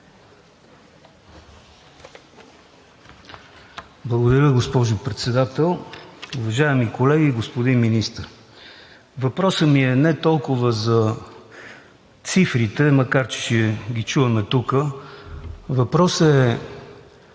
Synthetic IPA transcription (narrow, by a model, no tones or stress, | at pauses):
blˠəɡod̪əɾʲəɡospɔʒʊpɾɛt̪sɛd̪at̪ɛlˠʊvɐʒaɛmikolɛɡiɡospod̪inminist̪əɾ | vɐpɾɔsəmiɛnɛt̪ɔlˠkʊvəzɐ | t̪sifɾit̪ɛmɐkaɾt͡ʃɛ̥ʃɛɡʲit͡ʃuvɐmɛt̪ukə | vɐpɾɔsɛ